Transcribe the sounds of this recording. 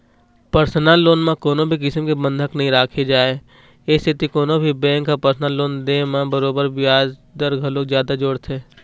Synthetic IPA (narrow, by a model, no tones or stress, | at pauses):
pəɾsnalːoːnmãkoːnõbʱikɪsəmkebə̃nd̪ʱəknɐɦĩɾaːkʰed͡ʒaːe | ɪst̪ʰɪt̪ikoːnõbʱibɛ̃ːŋkːapɐɾsnaːlːoːnd̪emãbəɾoːbəɾbɪjaːd͡ʒd̪əɾɡʱɐloːkzjaːd̪ad͡ʒoːɽt̪ʰeː